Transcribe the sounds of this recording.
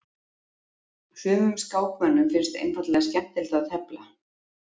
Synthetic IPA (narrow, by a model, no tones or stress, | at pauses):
sʏːmʏmskaːwkmɛnːʏmfɪɾst̪ḛjnfat̪lɛɣascɛm̥t̪ɪlt̪aðθʰɛpla̰